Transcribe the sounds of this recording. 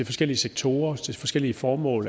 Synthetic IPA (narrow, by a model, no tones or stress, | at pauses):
e̝fɒ̽sɡ̥el̰iəseɡ̥̚t͡sʰo̝ːɐt͡sʰe̝fɒ̽sɡ̥el̰iəfɒːmɔ̰̽ːl